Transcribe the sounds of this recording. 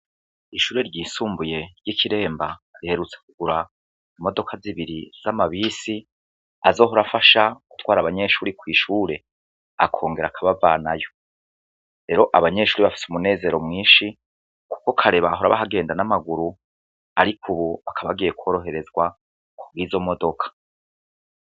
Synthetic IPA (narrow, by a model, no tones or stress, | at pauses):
iʃuːɾe̞ɾɟiːsuːmbuje̞ɾjikʰiɾe̞ːmbaɾihe̞ɾut͡sekuɡuɾa | imo̞do̞kʰaziβiɾiz̥amaβiːsi | a̰zo̞ːɦuɾafaʃaku̥twaːɾaβaɲe̞ʃuːɾikwiːʃuːɾe̞ | a̰kʰo̞ːŋɡe̞ɾakʰaβavanajo̞ | ɾe̞ːɾo̞ʔaβaɲe̞ʃuːɾiβafi̥sumune̞ːze̞ɾo̞mŋiːʃi | ku̥kokʰaɾe̞βaɦuɾa̰βa̰ɦaɡe̞ːndanamaɡuɾu | a̰ɾikʰuβuβakʰaβaɡiːje̞kwo̞ːɾo̞ɦe̞ɾe̞zɡwa | kubɡiːzo̞modo̞kʰḁ